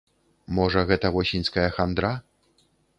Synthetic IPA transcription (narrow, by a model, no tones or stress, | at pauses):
mɔʐɐɣɛt̪ɐvɔsʲinʲskɐjɐxand̪ɾa